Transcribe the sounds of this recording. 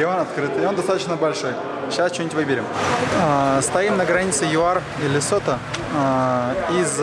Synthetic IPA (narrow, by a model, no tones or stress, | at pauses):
onɐt̪kɾɨt̪ɪo̞nd̪ɐst̪at̪ə̥̆t͡ɕnəbɐlʲʂo̞j | ɕast͡ɕonʲətʲvɨbʲɪɾʲɪm | st̪ɐimnəɡɾɐnʲit̪sɨjʊar | ilʲɪsot̪ə | iz